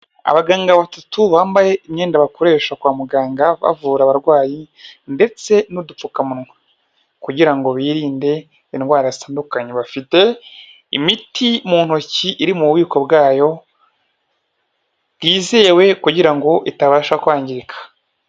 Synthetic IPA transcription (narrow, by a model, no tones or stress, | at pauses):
a̰βaɡaːŋɡaβatutuβaːmbaje̞imɲe̞ːndaβako̞ɾe̞ːʃakwaːmuɡaːŋɡaβa̰vuːɾaβaɾɡwaːji | nde̞t͡se̞nudup͡fukamuɾŋwe | kuɟiɾaŋɡo̞βiːɾiːnde̞ | inwaːɾazitaːndukaɲeβafite̞ | imitʰimuːn̥uciʔiɾimuβwiːko̞bɡaːjo̞ | βɡiːze̞ːwe̞kuɟiɾaŋɡo̞ʔitaβaːʃakuaːɲɟiɾikʰḁ